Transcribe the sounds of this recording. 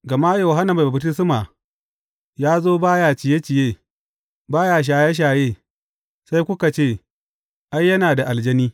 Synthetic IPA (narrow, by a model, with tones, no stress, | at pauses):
ɡɐ˨ma˦jo˨ɦa˦na˨ba˨ba˨btɪ˦sɪ˦ma˨ | jaː˦zoː˦baː˦jaː˦t͡ʃɪ˨je˦t͡ʃɪ˨jeː˦ | baː˦jaː˨ʃ̬aː˨ja˦ʃ̬aː˨jeː˦ | sa˦jkʷʊ˦ka˨t͡ʃeː˦˨ | ʔa˦jːɐ˦naː˨da˨ʔa˨ld͡ʒɐ˦niː˦